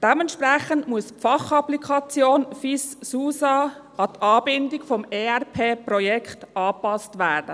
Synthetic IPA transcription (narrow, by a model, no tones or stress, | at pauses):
d̥ɛmɛntʃpɾɛχəntmuəsfɑχɑplikʰɑt͡sjoːnfisːuːsɑ | ɑt̪ɑːbɪndɪkfɔmeːɛɾpʰeːprɔjɛkχtʔɑːpɑstʋæːɾd̥ə